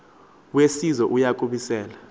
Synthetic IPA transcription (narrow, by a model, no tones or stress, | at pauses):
wesizɔʔujakʼuɓisɛːla